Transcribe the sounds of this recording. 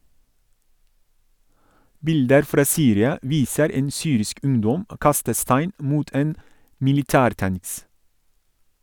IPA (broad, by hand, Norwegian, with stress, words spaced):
ˈbɪldəɾ ˈfɾɑː ˈsyːɾɪɑ ˈʋiːsəɾ ˈeːn ˈsyːɾɪsk ˈʉŋdɔm ə ˈkɑstə ˈstæɪn ˈmuːt ˈeːn mɪlɪˈtæːɾˌtæŋs